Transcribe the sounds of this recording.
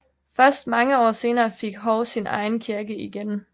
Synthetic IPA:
fɶɐsd̥mɑ̈ŋəɒ̰ːse̝ːnɐːfeɡ̥ɦɒʊsinɑ̈ɪn̩kʰiɐɡ̥əiɡ̥en

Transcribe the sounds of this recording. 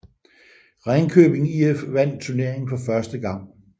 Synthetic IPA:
ʁɑɪnkʰøːb̥e̝ŋiefʋæn̰d̥̚t͡sʰuɐne̝ɐ̰e̝ŋn̩fɒ̽fɶɐsd̥əɡ̥ɑ̈ŋ̰

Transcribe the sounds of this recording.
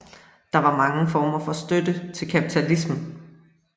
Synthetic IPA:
d̥ɑ̈ʋɑ̈mɑ̈ŋəfɒːmɐfɒ̽sd̥ød̥ət͡sʰe̝lkʰæpʰit͡sʰælismə

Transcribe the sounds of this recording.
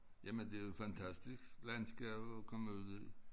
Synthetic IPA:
jæmənd̥e̝fænt͡sʰæsd̥isɡ̥lænsɡ̥ɛ̰ːb̥ɒkʰɒməuð̰ˠi

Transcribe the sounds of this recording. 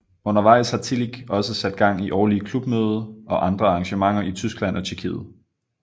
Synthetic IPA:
ɔ̽n̰ɐʋɑ̈ɪ̰shɑ̈t͡sʰiliɡ̥ɒ̽səsæd̥̚ɡ̥ɑ̈ŋ̰iʔɒʊliəkʰlub̥møːð̞ˠɐɒ̽ʔɑ̈nd̥ʁɐɑ̈ʁɑ̈ŋɕəmɑ̈ŋ̰ɐʔit͡sʰysɡ̥læn̰ʔɒ̽t͡ɕʰiɐkʰḭːð̞̩ˠ

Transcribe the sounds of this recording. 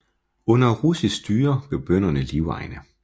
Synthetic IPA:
ɔ̽nɐʁusisd̥yːɐb̥eɐb̥øn̰ɐnəliʊɑ̈ɪnə

